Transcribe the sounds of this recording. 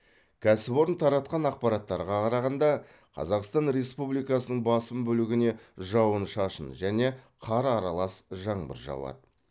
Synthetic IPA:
kʲʰæsɪpo̞ɾənt̪ʰɑɾɑt̪̚qɑnɑq̚pɑɾɑt̪ːɑɾʁɑqʰɑɾɑʁɑnd̪ɑ | qʰɑ̰zɑqst̪ɑnɾe̞spublijkɑsənəɴbɑsəmbɵlɪɡʲɪne̞ʒɑwənʃɑʃənʒæne̞qʰɑɾɑɾɑlˠɑsʒɑɴbə̰ɾʒɑ̰wɑ̰d̪ə

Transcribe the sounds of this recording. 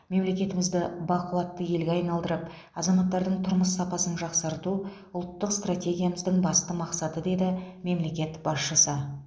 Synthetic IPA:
me̞mle̞kʲe̞t̪ɪmɪzd̪ɪbɑqəlˠɑt̪ːəje̞lɡʲeɑjnɑlˠd̪əɾəp | ɑzɑmɑt̪ːɑɾd̪əɴt̪ʰʊɾməsːɑpɑsənʒɑqsɑɾt̪u | ʊlˠt̪ːəqst̪rat̪ʲe̞ɡʲijaməzd̪əɴbɑst̪əmɑqsɑt̪əd̪e̞d̪ɪme̞mle̞kʲe̞t̪bɑsʃəsə

